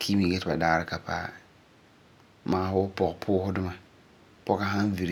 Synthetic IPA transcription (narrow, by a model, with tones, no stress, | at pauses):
kʰi˦bi˨ɡɛ˦tɪ˨ba˨daː˦ɾɪ˦ka˨pa̰˦ | maː˨˦fʊ˦pɔ˨ɣpʰʊː˦hʊ˦dʊ˦ma˨ | pɔ˦ka˨ɦa˦n˦vi˨ɾ